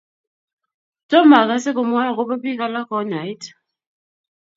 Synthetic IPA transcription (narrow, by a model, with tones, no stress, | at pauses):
tɔ˦ma˨ka˦sɛ˦k̬ɔ˨mɔ˦ja˦˨k̬ʊ˦ba˦pi˦ka˦la˦kɔ˦na˨jt